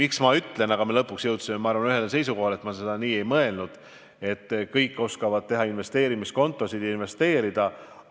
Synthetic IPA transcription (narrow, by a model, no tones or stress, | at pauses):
miksmɑyt̪ːˑle̞nɑɡ̥ɑmelɤpːˑuksjɤwt̪simemɑɑɾvɑnyɦelse̞js̬uko̞ɦɑle̞t̪mɑse̞d̪̥ɑniːe̞jmɤe̞lnud̪̥ | e̞t̪ːkɤjkˑːo̞skɑvɑd̪̥̚t̪e̞ɦɑinve̞st̪e̞ːɾimisko̞nt̪ːˑo̞sid̪̥jɑinve̞st̪e̞ːɾid̪̥ɑ